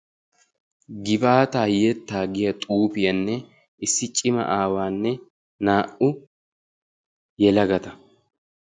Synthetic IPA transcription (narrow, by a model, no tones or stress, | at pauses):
ɡɪbaːt̪aːjɛt̪ːaːɡɪjɐt̪ʼuːpɪjɐnːɛ | ʔɪsːɪt͡ʃʼɪmɐ̰ʔaːwaːnːɛ | naːʔʊ | jɛlɐɡɐt̪ɐ